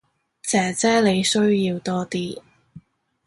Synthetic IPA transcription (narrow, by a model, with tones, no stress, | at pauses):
t͡sɛː˨˥t͡sɛː˥le˨˧jsɵ˥ɥjiː˧wt̪ɔː˥t̪iː˥